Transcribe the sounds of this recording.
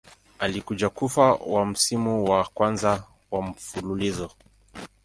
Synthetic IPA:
alikud͡ʒakufawam̩simuwakwanza | wam̩fululizɔ

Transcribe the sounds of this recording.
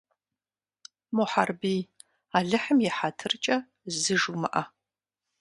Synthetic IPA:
moħarbiː | aːɮɨħəmjɛħatʰɨrt͡ʃʼɐ | zɨʒumɐʔɐ

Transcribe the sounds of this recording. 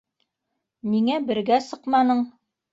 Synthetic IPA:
miŋæbɘ̆ɾɡæsɤqmɑnɤɴ

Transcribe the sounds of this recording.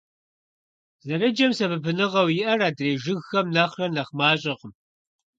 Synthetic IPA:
zɐɾɐd͡ʒɐmsɐbɨpʰɨnɨʁɐwjɪʔɐraːdreːʒɨɣxɐmnɐχrɐnɐχmaːɕʼɪqəm

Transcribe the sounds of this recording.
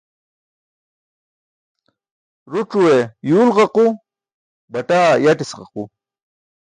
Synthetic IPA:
ɾuʈ͡ʂuwejuːlʁɑqu | baʈaːjaʈisqɑ̰qu

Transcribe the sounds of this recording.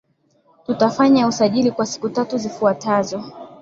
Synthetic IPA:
tutafaɲausaʄilikwasi̥kutatuzifuatazɔ

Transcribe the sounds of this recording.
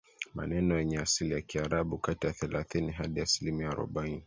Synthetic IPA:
ma̰nɛnɔjɛɲɛasilijakiaɾaɓukatijaθɛlaθiniɦaɗiasilimiaːɾɔ̰ɓaini

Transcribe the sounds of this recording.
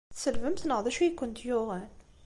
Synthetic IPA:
θsəlvəmθnəʁðˤæʃujkːʊnt̪jʊʁæn

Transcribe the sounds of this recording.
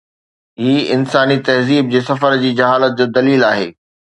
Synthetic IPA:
ɦiːɪnsaːnit̪ɐɦziːb̚d͡ʑeːsɐfəɾd͡ʑiːd͡ʑɐɦaːlət̪̚d͡ʑoːd̪ɐliːlaːɦḛː

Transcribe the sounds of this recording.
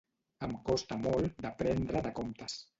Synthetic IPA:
əmkɔst̪amɔlˠd̪əpɾɛnd̪ɾəðəkɔmt̪əs

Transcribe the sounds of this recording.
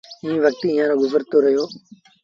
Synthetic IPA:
ĩːʋək̚t̪iːɪːãːɾoːɡʊzəɾt̪oːɾəɦjoː

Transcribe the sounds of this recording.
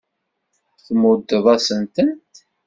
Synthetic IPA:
θmʊd̪ːəðˤæsənt̪ənt̪

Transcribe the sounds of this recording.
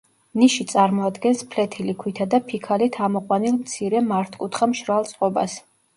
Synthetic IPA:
niʃit̪sʼaɾmɔad̪ɡɛnspʰlɛt̪ʰilikʰwit̪ʰad̪apʰikʰalit̪ʰamɔqʼwanilˠmt̪sʰiɾɛmaɾt̪ʰkʼut̪ʰχamʃɾalˠt̪sʼqʼɔbas

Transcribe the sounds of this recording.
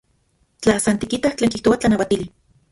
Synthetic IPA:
t͡ɬaasant̪ikit̪aht͡ɬeːŋkiht̪owat͡ɬanawat̪ili

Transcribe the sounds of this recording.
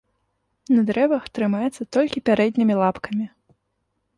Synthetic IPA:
nɐd̪ɾɛvɐxt̪ɾɨmajɛt̪sːɐt̪ɔlʲkʲipʲaɾɛd̪ʲnʲimʲilˠapkɐmʲi

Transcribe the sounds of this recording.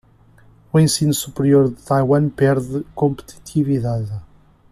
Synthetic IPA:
uẽsinusupɾijoɾðɨt̪ajwɐ̃pɛɾðɨkõmpt̪ʰi̥t̪ʰiviðað

